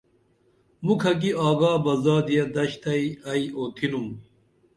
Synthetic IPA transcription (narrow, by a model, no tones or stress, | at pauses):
mukʰɐk̬iaːɡaːbɐzaːd̪ijɐd̪ɐɕt̪ɐiɐioːt̪ʰinum